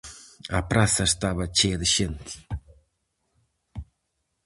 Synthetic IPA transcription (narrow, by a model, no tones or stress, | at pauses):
ɐpɾasɐst̪aβɐt͡ʃeðɪʃent̪